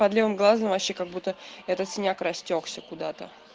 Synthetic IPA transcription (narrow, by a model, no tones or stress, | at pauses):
pɐd̪lʲivɨmɡlˠazəmvɐɕekaɡ̚but̪ːəɛt̪ət̪sʲɪnʲakrɐsʲtʲoksʲəkʊd̪at̪ə̰